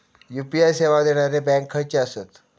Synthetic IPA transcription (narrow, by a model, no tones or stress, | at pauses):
jupiajseʋad̪eɽ̃aɾebɛ̃ŋkʰːəɾt͡ɕeəset̪